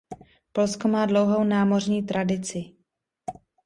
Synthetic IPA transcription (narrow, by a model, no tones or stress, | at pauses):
polskomaːdlowɦo̞wnaːmo̞rɲiːt̪ɾʔadɪt͡sɪ